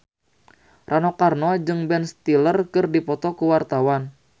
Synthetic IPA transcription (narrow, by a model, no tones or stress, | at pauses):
rʔanɔkarnɔd͡ʒɨŋbɛnst̪ilərkɨrdipɔt̪ɔkuwart̪awan